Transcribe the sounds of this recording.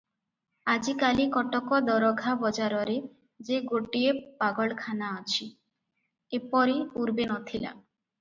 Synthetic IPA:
ad͡ʒikalikɔʈɔkɔd̪ɔɾɔɡʱabɔd͡ʒaɾɔɾe | d͡ʒeɡoʈiepaɡɔɭkʰanaɔt͡ʃʰi | epɔɾiuɾbenɔt̪ʰila̰

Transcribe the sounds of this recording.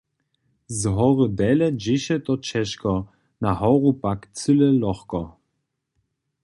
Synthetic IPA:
zɦɔʁədɛləd͡ʒɪʃətɔt͡ʃɛʃkɔ | naɦɔʁupakt͡sʏləlɔχkɔ

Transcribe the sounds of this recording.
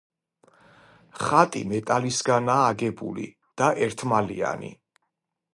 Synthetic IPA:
χat̪ʼḭmɛt̪ʼalisɡanaːɡɛbṵlḭ | d̪̥aʔɛɾt̪ʰmalḭa̰nḭ

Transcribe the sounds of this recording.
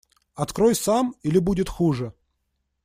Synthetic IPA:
ɐt̪kɾojsamilʲɪbudʲɪt̪xuʐɨ

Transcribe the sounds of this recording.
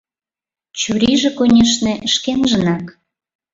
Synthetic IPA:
t͡ɕyɾiʒĕkonʲeʃneʔə̆ʃkenʒə̆nɑk

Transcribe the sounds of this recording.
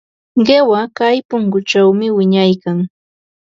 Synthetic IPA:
ɢewakajpʊŋkʊt͡ʃawmɪwɪɲajkaŋ

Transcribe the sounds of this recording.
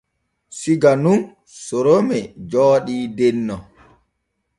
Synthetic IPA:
siɡanun | sɔɾomɛd͡ʒɔːɗiːdɛnːɔ

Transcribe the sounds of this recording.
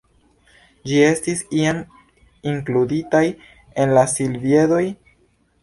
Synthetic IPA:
d͡ʒie̞stisiam | iŋkluditaj | e̞nlasilvje̞do̞j

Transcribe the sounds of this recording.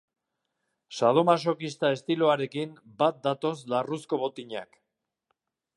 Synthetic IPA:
saðo̞mas̬o̞kist̪ae̞st̪iloaɾe̞kimbat̪̚d̪at̪o̞slarusko̞βo̞t̪iɲa̰k

